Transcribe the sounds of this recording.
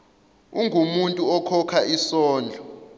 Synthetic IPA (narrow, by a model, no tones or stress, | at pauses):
uŋɡʱumuntʼuɔkʰɔkʰaʔisɔːnd͡ɮʱɔ